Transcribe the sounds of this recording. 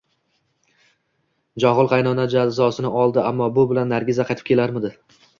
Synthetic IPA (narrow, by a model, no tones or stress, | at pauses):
d͡ʒɒʁɨlˠqɑjnɒnad͡ʒad̪zɒsɪnɪɒlˠd̪ɪamːɒbʊbɪlanːaɾɡʲɪzaqʰɑjt̪ʰɪ̥p̚kʲʰe̞laɾmɪd̪ɪ